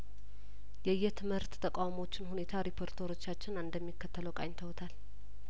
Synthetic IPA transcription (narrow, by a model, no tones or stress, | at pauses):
jɛjːɛt̪ʰɨmhɨɾt̪t̪ʰːəkʼawmo̞t͡ʃːɪnhune̞t̪ʰaɾipʰo̞ɾt̪ʰəɾo̞t͡ʃːat͡ʃːɪnɨnd̪əmːikːət̪ʰːələwkʼaɲt̪ʰəwt̪ʰal